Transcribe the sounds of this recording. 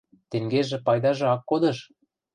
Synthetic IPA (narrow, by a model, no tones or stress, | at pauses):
t̪eŋɡeʒĕpɑjd̪ɑʒɑkːod̪ɤ̆ʃ